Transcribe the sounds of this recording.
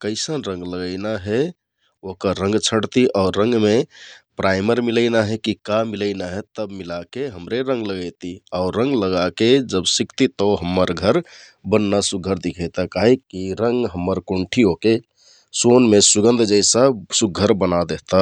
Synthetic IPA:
kəɪsənɾə̃ŋɡləɡəɪnaɦɛ | okəɾːə̃ŋɡt͡ʃʰəɽt̪iʔaʊɾːə̃ŋɡmepɾʔaɪməɾmiləɪnaɦɛkikamilənaɦɛt̪əbmilakeɦəmɾeɾə̃ŋɡləɡəjt̪iaʊɾːə̃ŋɡləɡaked͡ʒəbsikt̪it̪ɔɦəmːəɾɡʱəɾ | bənːasuɡʱːəɾd̪ikʰət̪akaɦikːiɾəŋɡɦəmːəɾkoɳʈʰioke | sonmesuɡə̃nd̪ʱd͡ʒəɪsəsuɡʱːəɾbənad̪eɦt̪a

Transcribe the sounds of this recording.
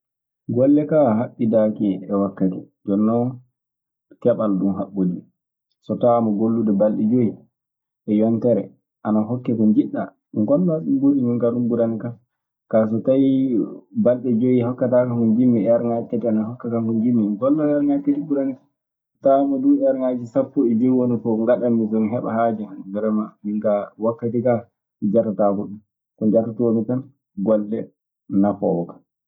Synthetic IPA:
ɡɔlːɛkaɦaɓːidakiɛwakːatɛ | d͡ʒɔnːɔ | kɛɓalɗumɦaɓːodi | sɔtamɔɡolːudɛbalɗɛd͡ʒoji | ʔɛjɔntɛɾɛ̰ | ʔanaɦɔkːɛkɔnd͡ʒiɗːa̰ | ŋɡɔlːɔaɗumboɗimiŋkaɗumɡuɾanika | kas̬ɔtaj | balɗɛd͡ʒojihɔkːatakakɔnd͡ʒimːiɛaɾŋatːatianahɔkːakakɔnd͡ʒimːiŋɡɔlːɔaɾŋatːatiɡuɾania | tamɔduɛaɾŋad͡ʒisapːɔɛd͡ʒɔjwonifɔŋɡaɗamːisɔnɦɛɓa̰had͡ʒɛbɛɾɛmamiŋkawakːatika | mid͡ʒaɾtatakɔɗum | kɔnd͡ʒatatwomitan | ɡɔlːɛ | nafɔ̰wɔkḁ

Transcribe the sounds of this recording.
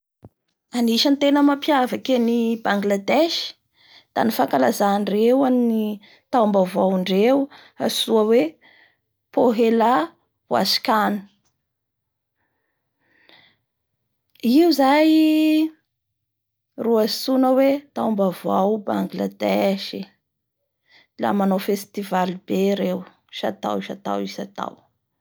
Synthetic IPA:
aniʃənt̪enəmampjavakenibaŋɡlad̪eʃi̥ | d̪̥a̰nifakalazanrewanni | t̪aumbavawiɳɖ͡ʐew | a̰suəwe | poɦela | wa̰si̥kanu̥ | iuzaj | ruasunəwet̪awmbavawbaŋɡla̰d̪ɛʃi | la̰manawfest̪ivalibeɾew | ʃa̰t̪a̰wʃat̪a̰wisat̪a̰w

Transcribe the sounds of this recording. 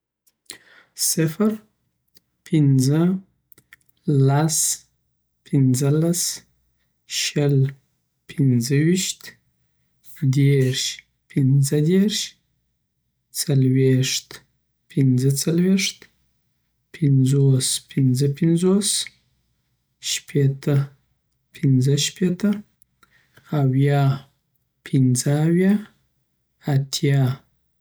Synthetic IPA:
sɪfəɾ | pʰind͡zə | las | pʰind͡zəlas | ʃəl | pʰinzəwiʃt̪ | d̪eʃ | pʰind͡zad̪erʃ | t͡salweʂt̪ | pʰɪnd͡zət͡salweʂt̪ | pʰɪnd͡zospʰɪnzəpɪnzos | ʃpʰet̪ə | pʰɪnd͡zəʃpet̪ə | awjɑ | pʰɪnzəːwjɑ | at̪ʰjɑ

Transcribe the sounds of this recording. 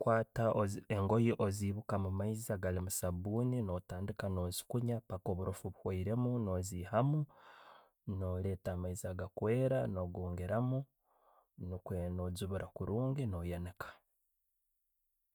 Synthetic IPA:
kwaːtaoeŋɡo̞jiʔoziːβukamumaizaɡalimusaβuːnino̞taːndikano̞ːzi̥kuɲapakoβuɾʔofuβuhwaiɾe̞muno̞ːziːhamu | no̞ːle̞taːmaizaɡakwe̞ːɾano̞ɡoːŋɡeɾamu | nukwenozuβuɾakuɾʔuːŋɡino̞jenekḁ

